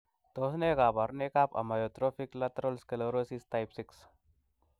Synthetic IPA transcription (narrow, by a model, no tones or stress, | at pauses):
t̪oːsnekabɐɾnekapɐ̰majot̪ɾoːfiklɐt̪ɾolskeloɾosist̪ajpsiks